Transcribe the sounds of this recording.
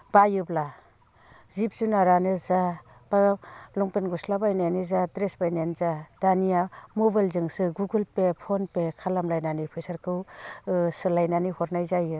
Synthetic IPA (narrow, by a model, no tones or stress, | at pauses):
bajɯbla | zip̚zunaɾanɯza | b̥alɔŋpenɡuslabajnanizadɾesbajnanzadanijamobajlzɯŋsɯɡuɡɯlpepʰonpekʰalamlajnanipʰɯjsaɾkʰɯw | sɯlajnanihɔɾnajzajɯ